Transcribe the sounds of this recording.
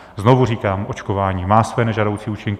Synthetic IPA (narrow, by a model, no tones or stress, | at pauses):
znovuriːkaːmʔot͡ʃkovaːɲiːmaːsvɛːnɛʒado̞wt͡siːuːt͡ʃɪŋkɪ